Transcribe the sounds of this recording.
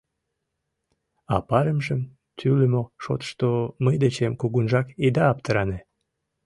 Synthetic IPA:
ɑpɑɾəmʒəm | t̪ʰyləmoʃo̰t̪ʃt̪oməjd̪et͡ɕemkuɣunʒɑkid̪ɑːp̚t̪əɾɑne

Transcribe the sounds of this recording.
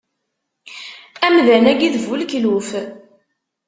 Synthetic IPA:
æmðænæɡiðvulkluf

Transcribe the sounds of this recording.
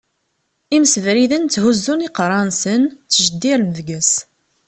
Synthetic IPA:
iməsvɾiðənt͡sːhuzːuniqɾˤɑnsənt͡sːʒəd̪ːiɾməðɡæs

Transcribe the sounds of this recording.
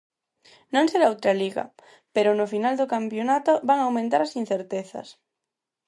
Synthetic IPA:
nõŋseɾaowt̪ɾaliɣɐ̰ | peɾʊnʊfinald̪okampjonat̪obaŋawmẽnt̪aɾasin̟θeɾt̪eθɐ̰s

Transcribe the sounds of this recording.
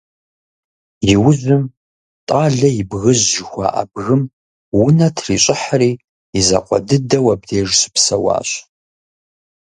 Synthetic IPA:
jɪwʊzʊm | tʼaːɮɐjɪbɣɨʑʒɪxʷa̰ʔa̰bɣɨm | wʊnɐtʰriːɕʼɪħariː | izɐ̰qʷʼɔ̰dɨdɐwɐb̚deːʒsɨ̥psɐwa̰ːɕ

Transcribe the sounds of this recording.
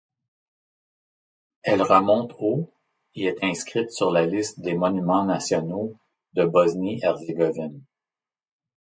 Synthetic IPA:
ɛlʁəmɔ̃t̪ʰo | eɛt̪ʰɛ̃skʲʁit̪syʁlalɪst̪̚d̪emɔnymɑ̃nasjɔno | d̪əbɔzniɛʁzeɡɔvɪn

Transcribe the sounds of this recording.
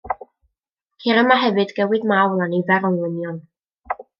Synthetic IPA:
kʰiɾəmaɦɛvɨdɡɛwɨdmawlˠanivɛɾɔlˠɪnjɔn

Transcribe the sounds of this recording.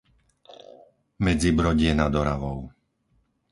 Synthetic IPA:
mɛd͡zibɾɔɟɪɛnad̪ɔɾaʋɔʊ

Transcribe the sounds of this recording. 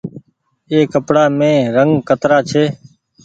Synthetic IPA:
eːkəpɽaːmẽːɾəŋɡkət̪ɾaːt͡ʃʰeː

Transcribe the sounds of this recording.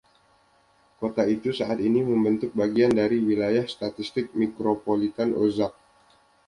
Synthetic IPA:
kot̪ait̪usaʔat̪iniməmbənt̪ʊk̚baɡiandaɾiwilajahst̪at̪ist̪ɪk̚mikɾopolit̪ano̰zak̚

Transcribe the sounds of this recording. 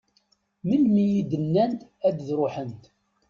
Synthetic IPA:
milmijid̪ənːænt̪æd̪ðɾʊħənt̪

